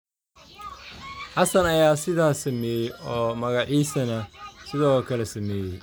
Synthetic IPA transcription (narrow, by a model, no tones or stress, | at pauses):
ħɑsɐnɐjaːsɪðaːsɐmɛːjɛjɔːmɐɣɑʕiːsɐnɐsɪðɔkʰɐlɛsɐmɛːjɛj